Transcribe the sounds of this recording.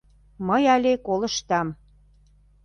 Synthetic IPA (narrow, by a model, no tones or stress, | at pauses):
məjɑlʲekolɤ̆ʃt̪ɑm